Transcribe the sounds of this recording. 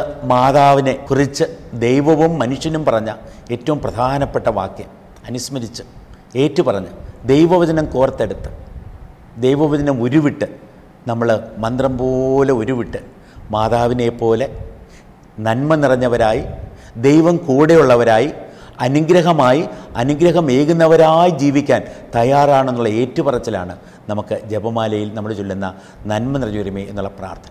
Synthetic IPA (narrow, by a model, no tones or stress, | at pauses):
maːðaːʋine̞kurit͡ɕːɨd̪ejʋɐʋumːɐnuʂjɐnumpɐrɐɲːae̞ːtːɐʋumprɐd̪ʱaːnɐpːe̞ʈːɐʋa̰ːkjɐm | ɐnusmɐɾit͡ɕːɨ | e̞ːtːupɐrɐɲːud̪e̞jʋɐʋɐd͡ʑɐnɐmkuːrɐt̪ːe̞ɽut̪ːɨ̥ | d̪e̞jʋɐʋɐd͡ʑɐnɐmoɾuʋiʈːɨ | nɐmːɐɭmɐnd̪rɐmpoːleo̞ɾuʋiʈːɨ | maːðaːʋine̞pːo̞ːle̞ | nɐnmɐnirɐɲːɐʋɐɾaːji | d̪ejʋɐmkuːɽejuɭːɐʋɐɾaːji | ɐnuɡɾɐɦɐmaːjiɐnuɡɾɐɦɐme̞ːɣunːɐʋɐɾaːjid͡ʑiːʋikʲːaːnt̪ɐjaːraːɳe̞nːuɭːɐe̞ːtːupɐrɐt͡ɕːɐla̰ːɳɨ | nɐmukːɨd͡ʑebɐmaːlɐjilnɐmːɐɭt͡ɕolːunːɐ | nɐnmɐnirɐɲːuɾumeːenːuɭːɐpra̰ːrt̪ʰɐnɐm